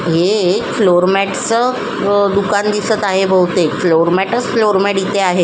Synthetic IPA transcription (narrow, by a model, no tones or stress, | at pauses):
ɦefloɾmæʈt͡sə | d̪ukand̪isət̪aɦebʱəwt̪efloɾmæʈəsfloɾmɛʈit̪eaɦe